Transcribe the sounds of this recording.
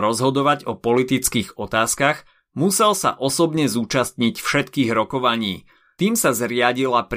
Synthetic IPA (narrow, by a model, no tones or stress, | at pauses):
ɾɔzɦɔd̪ɔʋaɟɔpɔlit̪it͡skiːɣɔt̪aːskaɣ | musɛlsa̰ʔɔsɔbɲɛzuːt͡ʃast̪ɲicfʃɛt̪kiːɣɾɔkɔʋaɲiː | t̪iːmsazɾɪaɟilap